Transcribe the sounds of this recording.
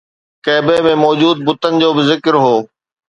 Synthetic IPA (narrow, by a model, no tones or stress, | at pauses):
kɛːbemẽmɔːd͡ʑuːd̪̚bʊt̪ənɪ̆d͡ʑoːbɪzɪkɪɾɦoː